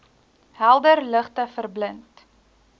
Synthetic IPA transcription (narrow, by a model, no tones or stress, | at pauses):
ɦælˠdərləχtəfərblənt